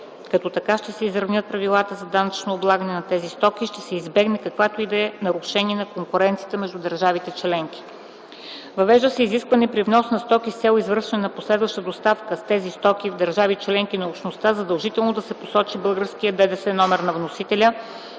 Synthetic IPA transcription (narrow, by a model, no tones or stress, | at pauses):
kɐt̪ɔt̪ɐkaʃt̪ɛsɛizɾɐvnʲɤt̪̚pɾɐvilˠat̪əzɐd̪anɐt͡ʃnoːblˠaɡənɛnɐt̪ɛzist̪ɔk̟iʃt̪ɛsɛizbɛɡnɛkɐkvat̪oid̪ɛnɐɾʊʃɛniɛnɐkoŋkuɾɛnt̪sijət̪əmɛʒd̪ud̪əɾʒavit̪ɛt͡ʃlɛŋk̟i̥ | vɐvɛʒd̪əsɛiziskvɐnɛpɾivnɔsnɐst̪ɔkʲist̪sʲɛlˠoizvɤɾʃɛnɛnɐposlɛd̪vɐʃt̪əd̪ost̪afkəst̪ɛzist̪ɔkʲivd̪ɐɾʒavit͡ʃlɛŋkinɐupʃnost̪azɐd̪əlˠʒit̪ɛlˠnod̪ɐsɛposɔt͡ʃibɤlˠɡəɾskijəd̪ɛd̪ɛsɛnɔmɛɾnɐvnosit̪ɛlʲə